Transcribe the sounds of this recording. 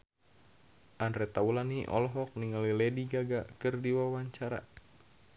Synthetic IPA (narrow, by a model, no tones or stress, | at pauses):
ʔanrɛt̪aulaniʔɔ̰lɔɦɔk̚niŋalilɛdiɡaɡakɨrdiwawaɲt͡ʃaɾa̰